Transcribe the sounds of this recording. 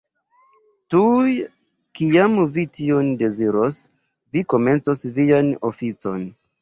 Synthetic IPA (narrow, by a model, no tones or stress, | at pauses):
tuj | kiamvitionde̞ziɾos | viko̞me̞nt͡so̞svianofit͡so̞̰n